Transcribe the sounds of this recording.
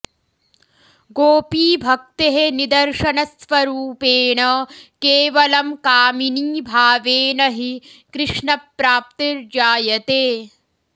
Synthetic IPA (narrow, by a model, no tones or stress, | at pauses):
ɡoːpiːbʱɐk̚t̪eɦenid̪ɐɾʂɐnɐsʋɐɾuːpeːɳɐkeːʋɐlɐmkaːminiːbʱaːʋeːnɐɦikɾɪʂɳɐpɾaːp̚t̪iɾd͡ʒaːjɐt̪eː